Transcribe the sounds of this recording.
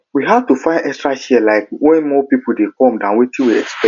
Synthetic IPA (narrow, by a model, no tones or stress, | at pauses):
wiɦadtufãɪ̃ndɛkstɹaʃɛlaɪkwɛ̃nmɔpipʰudekʰɔ̃mdãnwetĩwiɛkspɛ